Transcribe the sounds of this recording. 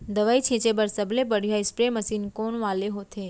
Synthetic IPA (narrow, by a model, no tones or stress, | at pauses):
d̪əʋait͡ʃʰĩt͡ʃebəɾsəblepəɽjaɪspɾeməsinkoɳʋaleɦot̪ʰe